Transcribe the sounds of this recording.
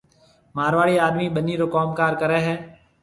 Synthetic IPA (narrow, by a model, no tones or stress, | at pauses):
maːɾʋaːɽiːaːɗ̪miːɓəniːɾoːkoːmkaːɾkəɾeːɦɛː